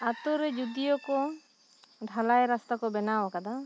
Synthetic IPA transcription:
at̪ɔɾɛd͡ʒud̪ijɔkɔ | ɖʱalajɾast̪akɔbɛnawakad̪a

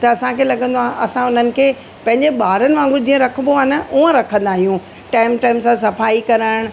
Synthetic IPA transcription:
t̪ɐɐsãkʰeːlɐɠə̃nd̪oaːɦɐsãʊn̤ənɪ̆kʰeː | pɐ̃ɦɪ̃ɲd͡ʑeɓaːɾənɪ̆ʋãːŋɡʊd͡ʑĩːə̃ɾɐkʰə̃b̪oaːnɐʔuə̃ɾɐkʰə̃nd̪aːɦijũ | ʈaːɪmʈaːɪmsãsɐfaːikɐɾaːɪɽ̃̆

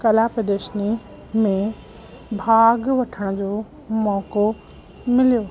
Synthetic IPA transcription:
kɐlaːpɪd̪eːʃni | mẽ | bʱaːɡʋɐʈʰəɽ̃d͡ʑoː | mɔːko | mɪlijoː

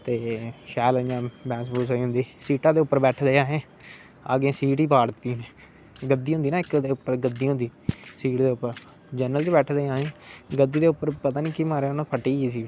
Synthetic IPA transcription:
t̪eːʃɛːləd͡ʒãːbɛ̃ːsbuːsoiːɦʊ̃nd̪iːsiːʈãːd̪eːʊpːəɾbɛːʈʰd̪eːaːɦẽː | a̰ːɡẽːsiːʈiːpaːɽt̪iːne | ɡəd̪ːiːɦʊ̃nd̪iːnãːɪkd̪eːʊpːəɾɡəd̪ːiːɦʊ̃nd̪iːsiːʈd̪eːʊpːəɾ | d͡ʒəːnəlt͡ʃebɛːʈʰd̪eːãːẽːɡəd̪ːiːd̪eːʊpːəɾpət̪aːnĩːkimaːɾeːnãːpʰəʈiːiːsiː

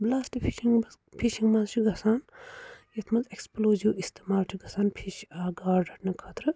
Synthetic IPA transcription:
blaːsʈipʰiʃiŋ | pʰiʃiŋmazt͡ʃʰiɡʱɐsaːnjet̪ʰmɐzeksploːzuwist̪imaːlʈʰiɡʱɐsaːnpʰiʃaːɡaːɾɖʱɐʈnɐkʰat̪ɾɨ

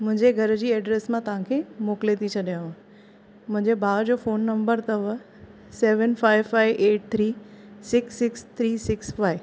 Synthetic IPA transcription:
mʊ̃ɦɪ̃ɲd͡ʑeɡʱɐɾəd͡ʑiːɛːɖɾeːsmãt̪ɐʋ̤ãkʰeːmoːklet̪ʰit͡ɕʰɐɗijãã | mʊ̃ɦɪ̃ɲd͡ʑebʱaːd͡ʑoːfoːnːɐ̃mbəɾt̪ɐʋ | seːʋənfaːɪʋfaːɪʋeːʈ̚t̪ʰɾiːsɪksːɪkst̪ʰɾiːsɪksfaːɪ

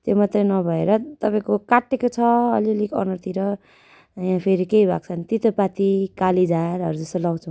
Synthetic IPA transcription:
t̪jomat̪rʌnʌbʱʌeɾʌt̪ʌpaĩkokaʈːekot͡sʰʌʌ̰liʌlikʌ̰nʌrt̪iɾʌ | jãpʰeɾikeibʱa̰ɡ̚t͡sʰʌnit̪it̪ʌpat̪ikalid͡zaɾʌɾud͡zʌst̪ʌlaw̃t͡sʰʌ̃

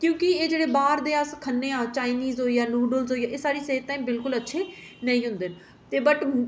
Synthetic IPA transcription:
kjõːkɪeːd͡ʒeːɽeːbaːɾd̪eːəskʰənːeːãːt͡ʃaːiniːzɦoːiːaːnuːɖəlzɦoːiːjaːʔeːsaːɾiːseːt̪t̪ːaːiːmbɪlkʊlətːʃʰeːnəĩːɦʊ̃nd̪eːn | t̪eːbəʈ

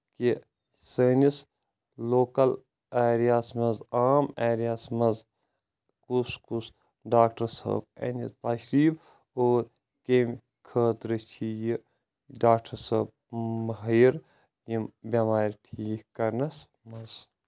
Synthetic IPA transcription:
ki | səːnis | loːkɐl | eːɾijaːsmɐzaːmeːɾijaːsmɐz | kuskus | ɖaːkʈɐɾsɐ̰ːb̚ḛnist̪aʃɾiːb | oːɾ | kem | kʰəːt̪ɾɨt͡ʃʰiji | ɖaːk̚ʈɐɾsɐːb̚ | mɐɦɐjiɾ | jimbʲɐmaːɾʲiʈʰikɐɾnɐs | mɐz

